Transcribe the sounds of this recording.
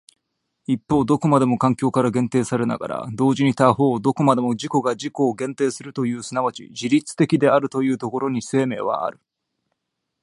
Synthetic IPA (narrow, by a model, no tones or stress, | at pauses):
ipːo̞ːd̪o̞ko̞mad̪e̞mo̞kãŋkʲo̞ːkaɾaɡẽ̞nt̪e̞ːsaɾe̞na̰ɡa̰ɾa̰d̪o̞ːʑiɲ̟it̪aɦo̞ːd̪o̞ko̞mad̪emo̞ʑiko̞ɡaʑiko̞ːɡẽ̞nt̪e̞ːsɨɾɯ̟t̪o̞jɯ̟ːsɨnaβat͡ɕḭʑiɾʲit͡sɨ̥t̪e̞kʲid̪e̞aɾɯ̟t̪o̞jɯ̟ːt̪o̞ko̞ɾo̞ɲ̟ise̞ːme̞ːβ̞a̰a̰ɾɯ̟